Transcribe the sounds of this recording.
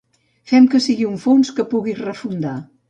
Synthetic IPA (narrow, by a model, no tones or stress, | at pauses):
fɛmkəsiɣiuɱfonskəpuɣizrəfund̪a